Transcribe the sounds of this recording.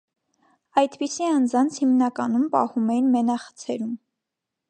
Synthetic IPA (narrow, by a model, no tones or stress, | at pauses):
ɑjt̪pisiɑnd͡zɑnt͡sʰhimnɑkɑnumpɑ̰humɛjinmɛnɑχə̥t͡sʰɛɾum